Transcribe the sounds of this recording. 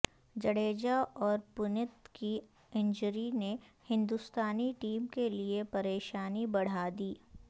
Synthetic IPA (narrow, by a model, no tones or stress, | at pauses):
d͡ʒɐɽeːd͡ʒaɔːɾpʊnɪt̪ki | ɪ̃nd͡ʒəɾinehɪ̃nd̪ʊst̪aːniʈiːmkeliepɐɾeːʃaːnibɐɽ̤aːd̪iː